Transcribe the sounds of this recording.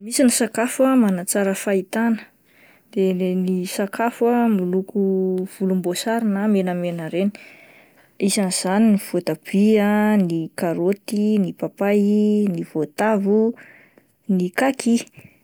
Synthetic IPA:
misinisakafuəmanat͡saɾəfait̪anə̥ | d̪̥enisakafəmulukuv̥ulumbosaɾinamenəmenəɾeni̥ | izanz̥aninifut̪ab̥iənikaɾot̪inipapajiniv̥ot̪avu | nikaki

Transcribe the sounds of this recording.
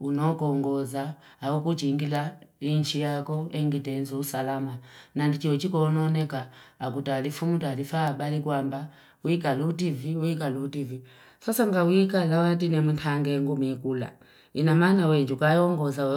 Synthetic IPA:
unɔkɔŋɡɔzaː | ukut͡ʃiŋɡilaiɲt͡ʃijakɔɛŋɡitɛnzɔusalamanandit͡ʃiɔt͡ʃikɔnɔnɛkaːkutalifumutalifaːbalikwamba | wikalutiviwik̬aluːtivi | sasaŋɡawikalawat̬inɛmuntʰaŋɡɛŋɡumikula̰ | inamanawɛɲd͡ʒukajɔŋɡɔza

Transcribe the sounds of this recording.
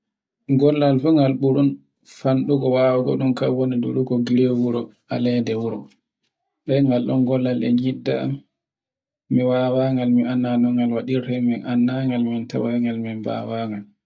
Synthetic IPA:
ɡɔlːalfuŋɡalɓuɾun | fanɗuɡɔwaːwaɡɔ̰ɗumkawɔnidṵɾuɡɔɡiɾewuɾɔ | alɛdɛwuɾɔ | ɓɛjŋɡalɗɔnɡɔlːalɛ̰ɲidːa̰a̰m | iwawaŋɡalmianːanɔŋɡalwaɗiɾtɛminʔanːaŋɡalminta̰waŋɡalminba̰waŋɡal

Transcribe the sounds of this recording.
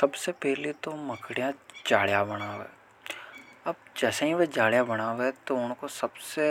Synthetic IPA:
sɐbsepɛɦlit̪omɐkʰɽijãd͡ʒaːɭjabɐɽ̃aːʋḛː | ɐb̚d͡ʒɛːseɦiʋed͡ʒaːɭjabɐɽ̃aːʋet̪oʊnkosɐbse

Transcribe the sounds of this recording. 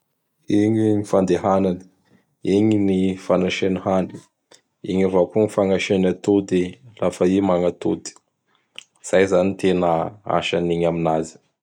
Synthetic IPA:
iɲinifand̪eɦanani̥ | iɲinifanaʃenihani̥ | iɲavakuŋifaŋaʃenat̪ud̪ilafəimaŋat̪ud̪i̥ | z̥ajzanit̪enəa̰ʃaniɲaminazi̥

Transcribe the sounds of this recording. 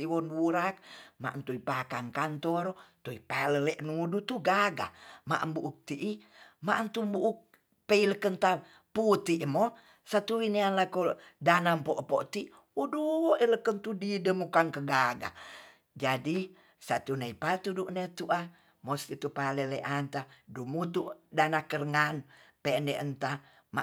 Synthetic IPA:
iwɔnwuɾak̚ma̰ʔnt̪uipakaŋkant̪ɔɾt̪uipaləleʔnuudut̪uɡaɡa̰ma̰ʔmbuʔuk̚t̪iʔimaʔnt̪umbuʔuk̚ | peiləkənt̪a | put̪iʔmo | sat̪uwinianlakodanampoʔpoʔt̪iʔ | uduwoʔiləkənt̪udidəmukaŋkəɡaɡa̰ | d͡ʒadi | sat̪uneipat̪uduʔnet̪uʔa | most̪it̪upaleleʔant̪adumut̪uʔdanakərəŋanpeneʔənt̪a | ma̰

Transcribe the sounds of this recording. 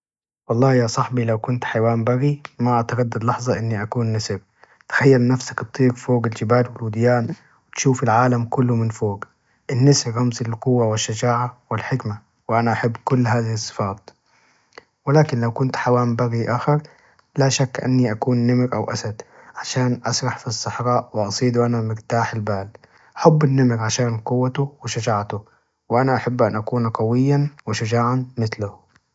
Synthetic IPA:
wɑlˤːɑːhjasˤɑħbilawkʊnt̪ħajwaːmbaɣimaʔat̪aɣad̪ːad̪lɑħzˤɑʔɪnːiʔakuːnːɪsɾ | t̪xajːalnafsḁkt̪t̪ˤːiːɡfoːɡɪld͡ʒɪbaːlwɪlwʊd̪jaːn | wɪt̪ʃuːfalʕaːlamkʊlːumɪnfoːɡ | ʔɪnːɪsɾːɑmzɪlqʊwːawɪʃːad͡ʒaːʕawɪlħɪkma | wɪʔanaʔaħabːkʊlːhaːðɪhɪsˤːɨ̥fɑːt̪̚ˤ | wɪlaːkɪnlawkʊnt̪ħawaːmbaɣiʔaːxɪɾ | laʃakːʔa̰nːiʔakuːnːɪmɾʔa̰wʔa̰sad̪ | ʕaʃaːnʔɑsˤɾˤɑħfisˤːɑħɾˤɑːʔwɪʔɑsˤiːd̪uʔanamɪɾt̪aːħɪlbaːl | ʔaħabːɪnːɪmɾʕaʃaːnqʊwːat̪uwɪʃad͡ʒaːʕt̪ʊ | wɪʔanaʔaħabːʔanʔakuːnaqɑwɪjːanwɪʃʊd͡ʒaːʕanmɪθlʊ

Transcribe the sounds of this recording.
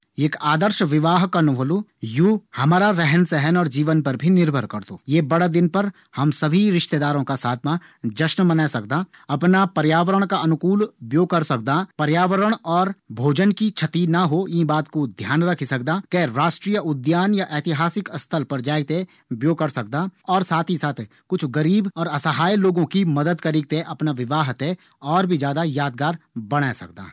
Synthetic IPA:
eːkaːd̪əɾʃʋɪʋaːɦkanʊʋɦolujuːhɐmaːɾaɾɛɦənsɛɦənɔːɾd͡ʒiːʋənpɐɾbʱinɪɾbʱəɾkɐɾt̪o̰ːjeːbɐɽad̪ɪnpɐɾ | hɐmsɐbʱiɾɪʃt̪eːd̪aːɾõkasaːt̪ʰma | d͡ʒɐʃnmɐnaːsɐk̚d̪a | ɐpnapɐɾjaːʋəɾəɽ̃kaɐnʊkuːlbjoːkɐɾsɐk̚d̪apɐɾjaːʋəɾəɽ̃ɔːɾbʱoːd͡ʒənkit͡ʃʰɐt̪inaɦoĩːbaːt̪kod̪ʱjaːnɾɐkʰisɐk̚d̪akɛːɾaːʃʈɾiːjəʊd̪jaːnjaʔɛːt̪ɪɦaːsɪkɐst̪ʰəlpɐɾd͡ʒaːɪt̪e | bjoːkɐɾsɐk̚d̪aɔːɾsaːt̪ʰisaːt̪ʰ | kʊt͡ʃʰɡəɾiːbɔːɾɐsəɦaːjloːɡõkimɐd̪əd̪kəɾɪk̚t̪eʔɐpnaʋɪʋaːɦt̪ẽ | ɔːɾbʱid͡ʒjaːd̪ajaːd̪ɡaːɾbɐɽ̃asɐ̰k̚d̪a̰ː

